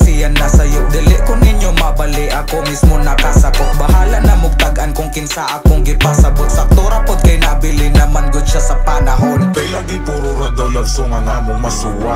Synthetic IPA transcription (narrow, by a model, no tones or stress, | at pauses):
sɪjɐnːɐsɐjʊʔd̪ɪlɪʔkʊnɪɲjomɐbɐlɪʔɐkomismonɐkasɐkoŋbɐɦaːlɐnɐmʊɡ̚t̪aɡʔɐnkʊŋkɪnsaːʔɐkʊŋɡɪpasɐɡʊt̪̚sɐk̚t̪oɾɐpʊt̪̚kɐjnɐbilɪnɐmanɡʊd̪̚ʃasɐpɐnɐɦonɛnaɡɪp̪uɾʊɾad̪ɐɐɡsoŋɐŋaːmoŋmɐsuːwa